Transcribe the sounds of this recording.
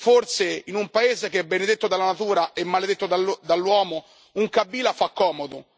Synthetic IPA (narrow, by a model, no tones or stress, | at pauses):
forseinumpaeːzek̟eɛbːened̪et̪ːod̪alːanat̪uːɾaʔɛmːaled̪et̪ːod̪ald̪alːwɔːmo | uŋkabːiːlafakːɔːmod̪o